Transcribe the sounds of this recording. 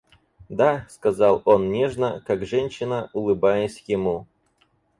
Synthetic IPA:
d̪askɐzɑlˠonnʲeʐnəkakʐɛnʲɕɪnəʔʊlˠɨbajəsʲjɪmu

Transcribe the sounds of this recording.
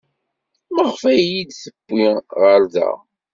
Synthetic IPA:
məʁfæjid̪θəb̥ːiʁəɾðæ̰

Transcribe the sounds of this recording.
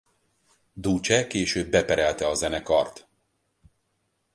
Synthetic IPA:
d̪uːt͡ʃɛkeːʃøːbːɛpɛɾɛlt̪ɛɒzɛnɛkɒrt̪

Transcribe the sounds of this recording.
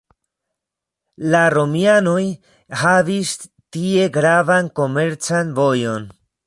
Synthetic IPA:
laɾo̞miano̞j | havis | tie̞ɡɾavanko̞me̞ɾt͡sanvo̞jo̞n

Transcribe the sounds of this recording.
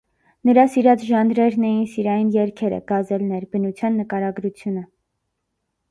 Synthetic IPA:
nəɾɑsiɾɑt͡sʰʒɑnɾɛɾnɛjinsiɾɑjinjɛɾkʰɛɾə̰ɡ̥ɑzɛlnɛɾbənut͡sʰjɑnːəkɑɾɑɡɾut͡sʰjunə

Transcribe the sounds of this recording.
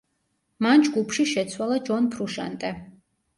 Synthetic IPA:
mand͡ʒɡupʰʃiʃɛt̪sʰwalˠad͡ʒɔnpʰɾuʃa̰nt̪ʼɛ

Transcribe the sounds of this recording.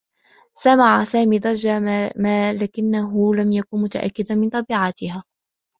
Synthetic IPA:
samaʕasaːmiːd̪ˤɑd͡ʒamalaːkɪnːaɦʊlamjakʊnmʊt̪a̰ʔa̰kːɪd̪anmɪnt̪ˤɑbiːʕat̪ɪhaː

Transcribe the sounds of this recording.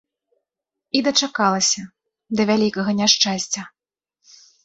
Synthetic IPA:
id̪ɐt͡ʂakalˠɐsʲɐ | d̪ɐvʲalʲikɐɣɐnʲaʂt͡ʂasʲt͡sʲɐ

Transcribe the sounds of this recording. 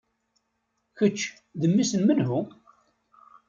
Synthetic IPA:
çət͡ʃː | ðəmːisənmənhʊ

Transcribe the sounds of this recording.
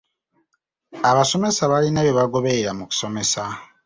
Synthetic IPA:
aβaso̞me̞saβalinaβjoβaɡo̞βeɾamuku̥so̞mesa

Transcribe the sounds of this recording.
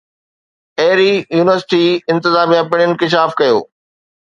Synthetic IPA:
eːɾijuːnɪʋəɾsɪ̥ʈiɪ̃nt̪ɪzaːmijapɪɽ̃ɪnkɪʃaːfkɐjo̰ː

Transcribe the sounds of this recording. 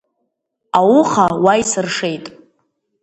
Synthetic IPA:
awuχawajsɨrʂe̞jtʼ

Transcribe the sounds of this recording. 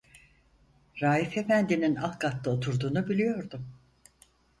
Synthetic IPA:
ɾaːife̞fænd̪ininalˠkʰat̪ːˠɯo̞t̪ʰuɾd̪uːnubilʲijo̞ɾd̪um

